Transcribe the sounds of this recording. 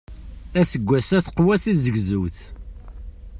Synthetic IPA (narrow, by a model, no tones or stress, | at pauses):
æsəɡʷːæsæθə̥qwæθizəɡzuwθ